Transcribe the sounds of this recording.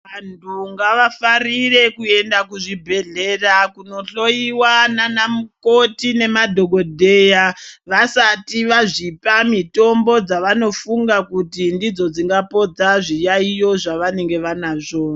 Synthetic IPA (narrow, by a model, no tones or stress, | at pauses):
ʋantʰuŋɡaʋafarire̞kue̞ndakuʐibʱe̞ɮe̞ːrakuno̞ɬo̞iwananamuko̞tine̞madʱo̞ɡʱo̞dʱe̞ːjaʋasatiʋaʐipamito̞mbo̞d͡zaʋano̞fuŋɡakutindid͡zo̞d͡ziŋɡapo̞d͡zaʐijaijo̞ʐaʋane̞ŋɡe̞ʋanaʐoːa